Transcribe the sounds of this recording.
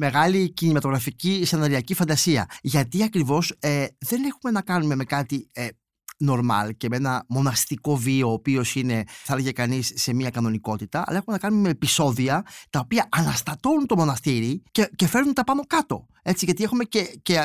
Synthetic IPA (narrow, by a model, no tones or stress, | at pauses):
me̞ɣɐlicinimɐt̪o̞ɣɾɐficisenɐɾiɐcifɐnd̪ɐsiɐ̰ʝɐt̪iɐkɾivo̞seðe̞ne̞xume̞nɐkɐnume̞me̞kɐt̪ie | no̞ɾmɐ̰lce̞menɐmo̞nɐst̪iko̞vio̞ːpio̞sine̞θɐlʝekɐnisːe̞miɐkɐno̞niko̞t̪it̪ɐɐ̰lɐe̞xume̞nɐkɐnumemepiso̞ðiɐt̪ɐopiɐʔɐnɐst̪ɐt̪o̞nunt̪o̞mo̞nɐst̪iɾicecefe̞ɾnunt̪ɐpɐmokɐt̪o̞̰ | e̞t͡siʝɐt̪ie̞xume̞ce̞ce